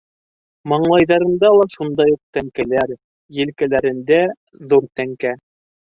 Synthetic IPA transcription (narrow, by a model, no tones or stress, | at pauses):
mɑɴlˠɑjðɑɾɤ̆nd̪ɑlˠɑʃund̪ɑjuq̚t̪æŋkælæɾ | jɘ̆lkælæɾɘ̆nd̪æ | ðuɾt̪æŋkæ